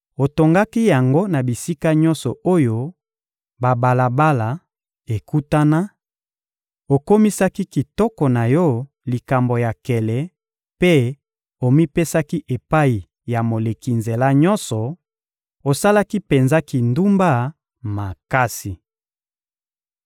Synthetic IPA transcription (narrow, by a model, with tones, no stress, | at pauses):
o˨to˨ŋɡa˦ki˦ja˨ŋɡo˦na˨bi˨si˦ka˦ɲɔ˦nsɔ˨o˦jo˦ | ba˨ba˨la˨ba˦la˨ | e˨ku˦ta˦na˦ | o˨ko˦mi˦sa˦ki˦ki˨tɔ˦kɔ˨na˨jɔ˦ | li˨ka˨mbo˨ja˨kɛ˨lɛ˨ | pe˦ | o˨mi˦pe˦sa˦ki˦ʔe˨pa˦i˨ | ja˨mo˨le˨ki˨nze˨la˦ɲɔ˦nsɔ˨ | o˨sa˦la˦ki˦pe˨nza˦ki˨ndu˦mba˦˨ | ma˨ka˦si˨